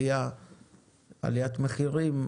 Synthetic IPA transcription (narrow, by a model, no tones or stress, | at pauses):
ja | a̰lijat̪meχiʁim